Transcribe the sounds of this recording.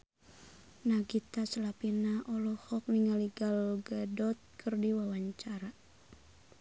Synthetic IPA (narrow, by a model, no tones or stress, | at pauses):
naɡit̪asəlapinaʔɔlɔhɔk̚niŋaliɡalɡadɔt̪̚kʰərdiwawaɲt͡ʃaɾa